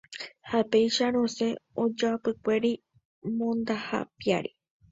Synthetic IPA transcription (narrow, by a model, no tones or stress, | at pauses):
hapejʃaɾ̃õse̞od͡ʒapɨkʷe̞ɾi | mõnd̪aha̰pija̰ɾi